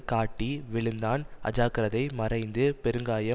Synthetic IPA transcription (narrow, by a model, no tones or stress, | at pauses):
kaːʈːiʋɪɭɯnd̪aːnʔɐ̰d͡ʒaːkɪɾɐðɐɪmɐrɐɪnd̪ɯpɛɾɯŋɡaːjɐ